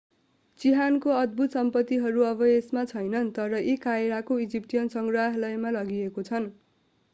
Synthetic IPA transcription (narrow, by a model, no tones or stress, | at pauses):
t͡siɦankoʌd̪̚bʱut̪sʌmpʌt̪ːiɦʌɾuʌbʌesmat͡sʰʌjnʌnt̪ʌɾʌʔikaeɽakoid͡zip̚ʈijʌnsʌŋɡraɦlʌjmalʌɡiekot͡sʰʌn